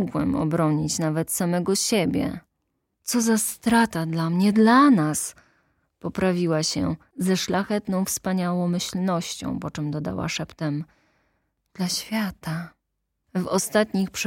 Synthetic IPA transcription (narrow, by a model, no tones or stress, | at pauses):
ɡwɛ̰mɔ̰bɾɔɲit͡ɕnavɛt̪samɛɡɔɕebʲjɛ̰ | t̪sɔzast̪ɾat̪ad̪lamɲɛd̪lanas | pɔpɾavʲiwaɕɛ̰ | zɛʂlaxɛt̪nɔ̃w̃fspaɲawɔ̃w̃mɘɕlnɔɕt͡ɕɔ̰̃w̃pɔt͡ʂɛmd̪ɔd̪a̰wa̰ʂɛpt̪ɛm | d̪̥laɕfʲjat̪a | vɔst̪at̪ɲixpʂ